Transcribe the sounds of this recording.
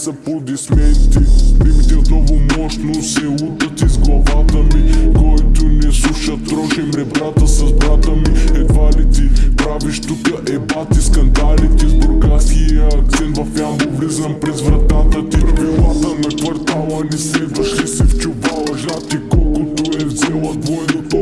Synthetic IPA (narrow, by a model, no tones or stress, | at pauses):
sɐpod̪ɛsmɛnt̪iɛmit̪iot̪nɔvʊmɔʃt̪nosɛut̪ət̪izɡlˠɐvat̪əmikɔjt̪onɛslˠuʃɐt̪ɾɔʃɛmɾɛbɾat̪əsɐzbɾat̪əmiɛd̪valit̪ipɾaviʃt̪ukəʔɛbat̪iskɐnd̪alit̪izbʊɾɡaskijɐɐk̚t̪sɛnt̪vɐfanbovlizɐmpɾɛzvɾɐt̪at̪ət̪ipɾɐpvilˠat̪ənɐkvɐɾt̪alˠənɛsɛd̪ɐʃisift͡ʃʊvalˠɐʒat̪ikɔlˠkʊt̪oɛvzɛlˠɐt̪vɔɛd̪ot̪